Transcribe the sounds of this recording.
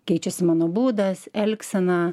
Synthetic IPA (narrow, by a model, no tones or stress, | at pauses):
kʲɛɪt͡ʃʲɛsʲɪmɑːnoːbuːd̪ɐsɛlʲksʲɛnɑ